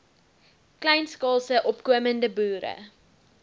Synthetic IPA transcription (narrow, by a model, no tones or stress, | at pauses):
klɛjnskɑːlˠsəʔɔpkuəməndəbuːɾə̰